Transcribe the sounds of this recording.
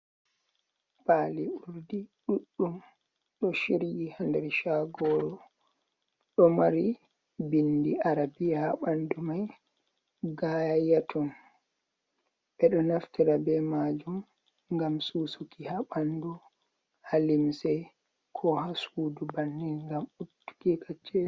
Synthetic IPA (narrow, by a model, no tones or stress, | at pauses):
paːliuɾdiɗuɗːum | ɗɔʃiɾjihandɛɾʃaɡɔɾɔ | ɗɔmaɾi | bindiʔaɾabijahaɓandumaj | ɡajatʰɔn | ɓɛɗɔnaftiɾabɛmad͡ʒum | ŋɡamsuːsukihaɓandu | halimsɛ | kʰɔhasuːdubanːinŋɡamutːu̥kikat͡ʃːɛ